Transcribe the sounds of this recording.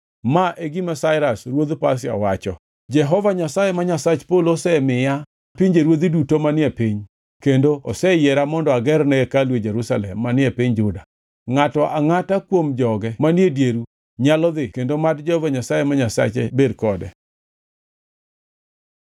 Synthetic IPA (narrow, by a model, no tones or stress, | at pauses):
maʔeɡɪmasaɪɾasɾwod̪pas̬ɪa̰wat͡ʃɔ | d͡ʒɛɦɔvaɲasajemaɲasat͡ʃpolosɛmɪja | piɲd͡ʒeɾwod̪idutomanɪɛpiɲ | kendoɔsɛjɛɾamɔndɔaɡɛrnɛkalwed͡ʒeɾusalɛmːanɪepiɲd͡ʒʊda | ŋatɔʔaŋatakwomd͡ʒɔɡɛmanjedjeɾu | ɲalɔd̪ɪkendomatd͡ʒɛhɔvaɲasajemaɲasa̰t͡ʃḛbedkɔdɛ̰